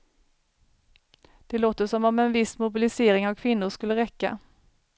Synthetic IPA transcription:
d̪̥ɛloːt̪əʂɔmɔmɛnvɪsmʊbɪlɪseːɾɪŋavkʰvɪn̪ːʊɾʂkɵlːəɾɛkːa̰

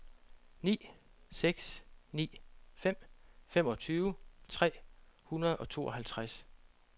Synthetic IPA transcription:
nḭːseɡ̥snḭːfem̰femɒ̽t͡sʰyːʊt͡sʰʁɛ̰ːhunɐðˠɒ̽t͡sʰo̝̰ːʔɒ̽hælt͡sʰʁas

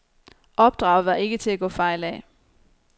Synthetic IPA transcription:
ʔɒ̽b̥̚d̥ʁɑ̈ʊʋɑ̈e̝ɡ̥ət͡sʰe̝læɡ̥ɔ̰̽ːfɑ̈ɪ̰lɛ

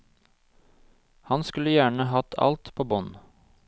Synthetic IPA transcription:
hɑnskʉləjæːɳəhɑt̪ʰɑ̰lt̪pʰoːbɔn

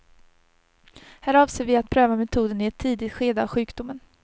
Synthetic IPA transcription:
hæːɾɑːvseːɾvɪat̪̚pʰɾøːvamɛt̪ʰuːd̪ənɪɛt̪ʰːiːd̪ɪt̪ɧeːd̪əavɧʉ̟ːkd̪ʊmːən

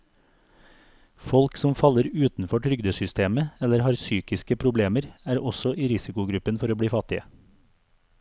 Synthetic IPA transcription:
fɔlksɔmfɑləɾʉːt̪n̩fɔʈʰɾʏɡd̪əsʏst̪ʰeːməɛləɾhɑːɾsyːkɪskəpʰɾʊbleːməɾæːɾɔsɔʔiːɾɪsɪkʊɡɾʉpənfɔɾoːbɽiːfɑt̪ɪə

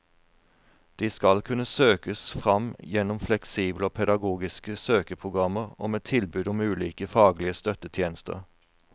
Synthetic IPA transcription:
d̪̥iːskɑlkʰʉnəsøːkəsfʁɑmjɛnʊmflɛksiːbloːpʰɛd̪ɑɡuːɡɪskəsøːkəpʰʁʊɡʁɑməʁo̰ːmeːt̪ʰɪlbʉːd̪ʊmʉːliːkəfɑːɡlɪəst̪œt̪ət̪ʰjeːnəst̪ə̰ʁ

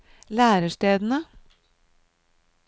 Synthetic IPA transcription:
læːɾəʃtʈeːd̪n̩ə

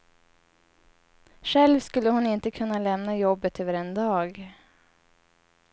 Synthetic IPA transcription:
ʂɛlvskɵlːəhʊnɪnt̪əkʰɵnːalɛmnajɔbːət̪ʰøːvəɾɛnd̪ɑːɡ

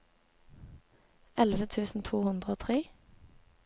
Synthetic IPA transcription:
ʔɛlʋət̪ʰʉːsn̩t̪ʰuːhʉnd̪ʁəoːt̪ʰʁeː

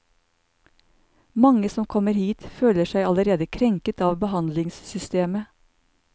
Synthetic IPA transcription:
mɑŋəsɔmkʰɔməɾhiːt̪føːləʃæɪɑləɾeːd̪əkʰɾɛŋkət̪ɑːʋbəhɑnd̪lɪŋssʏst̪eːmə

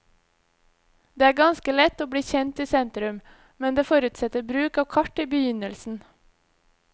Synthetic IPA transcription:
d̪eːæːɡɑnskəlɛt̪oːbɽiːçɛnt̪iːsɛnt̪ɾʉm | mɛnd̪eːfɔɾʉt̪sɛt̪əbɾʉːkɑːʋkʰɑʈiːbəjʏnəlsn̩

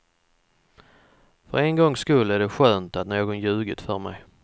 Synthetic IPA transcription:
fœ̰ɾenɡɔŋːskɵlæɖɛɧøːnt̪at̪noːɡɔnjʉ̟ːɡət̪fœɾmɛ̰j

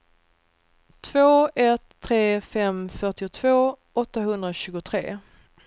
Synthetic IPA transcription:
t̪ʰvoːɛt̪ʰːɾeːfɛmfœʈɪʊt̪ʰv̥oː | ɔt̪ːaɦɵnd̪ɾaɕʉ̟ːɡʊt̪ʰɾeː

